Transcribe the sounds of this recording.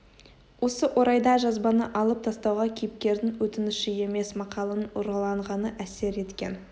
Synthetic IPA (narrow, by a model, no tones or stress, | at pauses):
wʔo̞səʔo̞ɾɑjd̪ɑʒɑzbɑnəʔɑlˠəp̚t̪ʰɑst̪ɑwʁɑkʲʰejɪp̚kʲe̞ɾd̪ɪŋwɵt̪ɪnɪʃɪe̞me̞smɑqɑlˠənoɾɑlˠɑɴʁɑnəʔæse̞ɾe̞t̪kʲe̞̰n